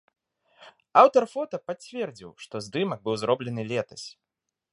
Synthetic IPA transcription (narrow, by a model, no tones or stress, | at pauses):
awt̪ɐrfɔt̪ɐpat͡sʲvʲɛrd͡zʲḭwʂt̪ɔzd̪ɨmɐɡ̚bɨwzɾɔblʲɛnɨlʲɛt̪ɐ̥sʲ